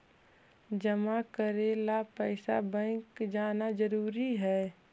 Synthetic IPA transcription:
d͡ʒəmakəɾeːlapɛɪsa̰bə̃ɪkd͡ʒaːnad͡ʒəɾuːɾiɦɛː

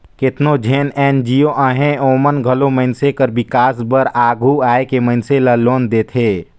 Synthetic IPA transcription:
kɪt̪nod͡ʒʱeːnɛːnd͡ʒioʔəɦẽoːmənɡʱɐlomənsekəɾbɪkaːsbəɾaːɡʱuaːekemə̃ɪnseləloːnd̪eːt̪ʰeː

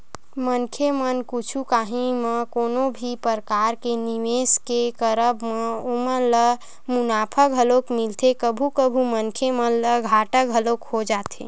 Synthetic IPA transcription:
mənkʰemənkut͡ʃʰukaɦĩmẽkoːnobʱipəɾkaɾkeniʋeskekəɾəbmeomənlə | munaːpʰəkɦəlokmilt̪ʰekəbʱukəbʱumənkʰemənləɡʱaʈəkɦəlokhod͡ʒaːt̪ʰḛ

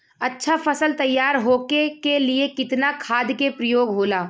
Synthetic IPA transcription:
ɐtːʃʰafɐsəlt̪ɐjːaːɾɦoːkekeliekɪt̪nakʰaːd̪kepɾɐjoːɡɦoːlaː

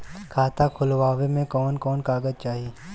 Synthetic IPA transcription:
kʰaːt̪akʰʊlʋaːʋemẽkɔːnkɔːnkaːɡəd͡ʒt͡ʃaːɦieː

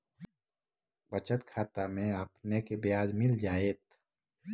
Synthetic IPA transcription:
bət͡ʃət̪kʰaːt̪amẽəpnekebɪjaːd͡ʒmɪld͡ʒaːeːt̪

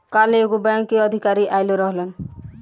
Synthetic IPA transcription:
kaleoɡubaŋkiɔd̪ʱikaɾiʔajloɾɔɦlen

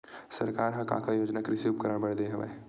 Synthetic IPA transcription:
sɐɾkaːɾɦɐka̰ːkʰajoːd͡ʒnakɾɪsuːpkɐɾəɽbɐɽd̪eɦɛ̃ʋɛ̰

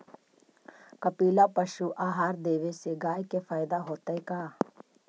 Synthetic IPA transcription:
kɐpiːlapɐʃuʔaːɦaːɾd̪eːʋeseɡaːjkefaːjɪd̪aɦoːt̪aekaː

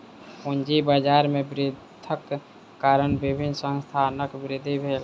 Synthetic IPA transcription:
ʊnd͡ʒibaːd͡ʒaːɾmẽbɾɪd̪ʰʱəkː | aːɾənbɪbʱɪnsə̃nst̪ʰaːnəkbɾɪd̪ʱibʱeːl

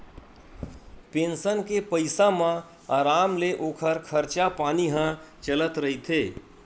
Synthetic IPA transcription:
pẽnsənkepəɪsãmã | aːɾaːmleʔoːkʰəɾkʰəɾt͡ʃapaːniɦãt͡ʃələt̪ɾɐɦit̪ʰeː

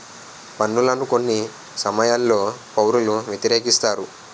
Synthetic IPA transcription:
pɐnːulɐnuko̞nːi | sɐmɐjaːlːo̞ːpɐwɾuluʋjet̪iɾe̞ːkist̪aːɾu

